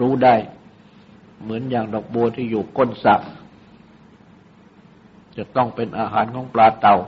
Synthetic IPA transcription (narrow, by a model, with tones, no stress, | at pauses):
ɾuː˦˥daː˥˩j | mɯ˩˦ənjaː˨˩ŋdɔː˨˩k̚bu˧ɐt̪ʰiː˥˩juː˨˩ko˥˩˨nsa˨˧˩ʔ | t͡ɕa˨˩t̪ɔ˥˩ŋpe˧nʔaː˧ɦaː˩˦nkʰɔː˩˦ŋplaː˧t̪a˨˩w